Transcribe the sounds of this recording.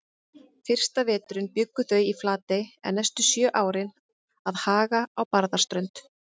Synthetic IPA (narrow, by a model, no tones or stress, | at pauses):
fɪr̥st̪avɛːt̪ʏɾʏnpjʏkːʏθœɥiflaːt̪ɪɛ̰nnːɛst̪ʏsjœːʔaːwɾɪn | aðhaːɣaawpaɾðḁst̪ɾœɥnt̪